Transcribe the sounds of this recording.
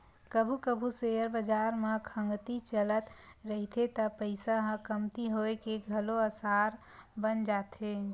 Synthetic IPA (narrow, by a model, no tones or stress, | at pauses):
kəbʱukəbʱusejəɾbəd͡ʒaɾmakʰə̃ŋɡt̪it͡ʃələt̪ɾəɦit̪ʰet̪əpəɪsaɦə̃kəmt̪iɦoekeɡʱəloəsaɾ | bənd͡ʒat̪ɦe